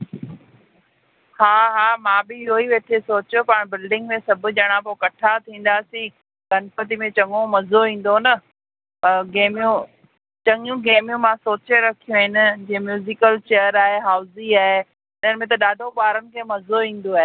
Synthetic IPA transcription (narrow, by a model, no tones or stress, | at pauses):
haːɦaːmãːbɪɪɦoiʋeːʈʰesoːt͡ɕopaːɽ̃bɪlɖɪ̃ŋɡmẽsɐbʱʊ̆d͡ʑɐɽ̃ãpokɐʈʰat̪ʰĩːn̆d̪aːsĩ | ɡʱɐnɪpɐt̪̬imẽt͡ɕɐ̃ŋõmɐzoĩːn̆d̪onɐ | pɐɾɡeːmjũ | t͡ɕɐ̃ŋjũɡeːmijũmãsoːt͡ɕeɾɐkʰijũɦɪnɪ̆d͡ʑeːmjuːzɪkəlt͡ɕeːəɾaːɦeɦaːʊziaːɦe | ɪn̤ənɪ̆mẽt̪̬ɐɗaːɖʱoɓaːɾənɪ̆kʰeːmɐzoʋĩːn̆d̪oaːɦe